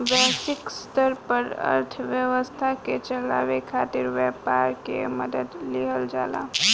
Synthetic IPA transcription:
ʋɛsɪkst̪əɾpəɾə̰ɾt̪ʰʋjəʋəst̪ʰaket͡ʃəla̰ːʋekʰaːt̪ɪɾʋɛːpaːɾkḛməd̪əd̪liɦəld͡ʒa̰ːla̰ː

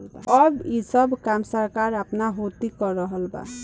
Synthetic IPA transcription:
ʌbisʌbkamsʌɾkaɾapnaɦot̪ikɔɾʌɦʌlba̰

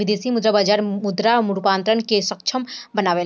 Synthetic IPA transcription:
ɪd̪eːsimʊd̪ɾabaːd͡ʒaːɾmʊd̪ɾamʊɽupaːnt̪ɾənkesəkt͡ʃʰəmbɐnaːʋe

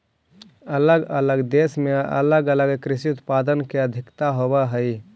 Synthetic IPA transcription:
ələɡələɡd̪esmeə̰ləɡələɡkɾɪsiut̪pad̪ənkeəd̪ʱɪkt̪aɦobəɦəi

